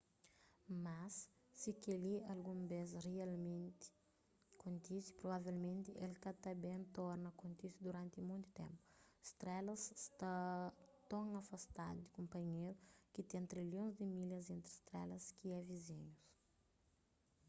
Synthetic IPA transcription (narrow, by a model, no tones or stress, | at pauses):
masː | ikeliɐlɡũmbezrialmẽnt̪ɪ̥ | kõnt̪isi̥pɾobavɛlmẽnt̪ɪʔelkɐt̪ɐbẽnt̪ɔɾnɐkõnt̪isud̪uɾãnt̪imũj̃t̪u̥t̪ḛ̃mpu̥st̪ɾɛlɐsst̪at̪õŋɐfɐst̪ad̪ud̪ikõmpɐɲeɾukit̪ɛ̃nt̪ɾiljõzd̪ɪmilɐzẽnt̪ɾist̪ɾɛlɐskiɛvizĩɲus